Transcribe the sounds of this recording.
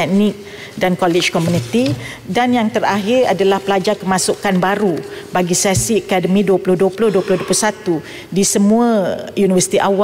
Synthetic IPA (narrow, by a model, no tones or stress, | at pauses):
ɛnɪk̚ | dankolid͡ʒkomjunit̪i | danjaŋt̪əɾaɦɪɾa̰dalahpəlad͡ʒarkəmãsukanbaɾubaɡisasiaəkadəmĩduəpulʊhduəpulʊhduəpulʊhduəplʊsat̪u | disəmũãjunivərsi̥t̪iʔawa